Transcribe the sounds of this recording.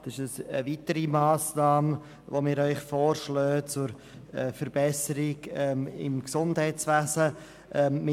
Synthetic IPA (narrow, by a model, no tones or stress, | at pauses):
d̥ɪʃəsəvitəɾimaːsnaːm | vomɪːɾœʏχfoːɾʃløːt͡sʊɾ | ɛfəɾbɛsəɾɪɡɛmɪ̰mksʊnd̥hɛɪt͡svæːsə | ʔɛmɪ